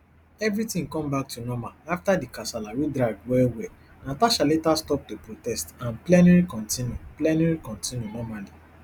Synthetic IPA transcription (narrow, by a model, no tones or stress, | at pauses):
ɛvɹitĩŋkɔ̃mbak̚tunɔmaaftadikasalawidɹaɡ̚dwɛlwɛ | nataʃaletastɔp̚topɹotɛstãnplɛnɛɹikɔ̃ntĩnjuplɛnɛɹikɔ̃ntĩnjunɔmali